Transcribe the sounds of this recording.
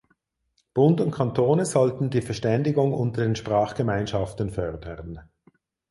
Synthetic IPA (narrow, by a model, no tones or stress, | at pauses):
b̥ʊntʊntkʰantʰoːnəzɔltn̩diːfɛɐʃtɛndɪɡʊŋʔʊntɐdeːnʃpʁ̥aːχɡ̥əmaɪnʃaftən̩fœʁdəʁn